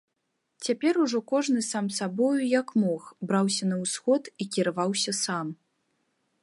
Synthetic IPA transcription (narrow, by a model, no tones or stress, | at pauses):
t͡sʲapʲɛɾuʐɔkɔʐnɨsamsabɔjujɐkmɔxbɾawsʲɐnɐwsxɔt̪ikʲiɾavawsʲɐsam